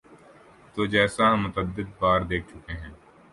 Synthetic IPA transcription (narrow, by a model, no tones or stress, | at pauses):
t̪oːd͡ʒɛːsaɦɐ̃mːʊt̪əd̪ːɪd̪̚baːɾd̪eːk̚ʰt͡ʃʊkeɦɛ̃ː